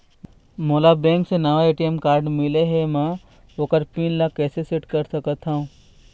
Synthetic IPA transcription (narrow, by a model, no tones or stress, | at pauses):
moːlabɛ̃ːŋksenɐʋaeːʈiɛmkaːɾɖmɪleɦɛmɛ̃ | oːkəɾpiːnlaːkːɛːsesɪʈkɐɾsɐkət̪ʰɦaũː